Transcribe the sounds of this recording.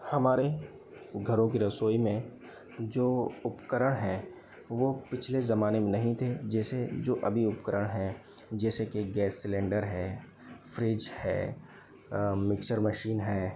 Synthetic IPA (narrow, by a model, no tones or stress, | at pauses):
hɐmaːɾe | ɡʱɐɾõk̬iɾɐsoːimẽ | d͡ʒoːʊpkəɾəɽ̃ɦɛː | ʋopɪt͡ʃʰlezɐmaːnemẽnɐɦĩt̪ʰed͡ʒɛːsed͡ʒoːʔɐbʱiʊpkəɾəɽ̃ɦɛ | d͡ʒɛːsekeɡɛːsːɪlẽːɳɖəɾɦɛː | fɾid͡ʒhɛ̰ː | mɪkʃəɾməʃiːnɦɛː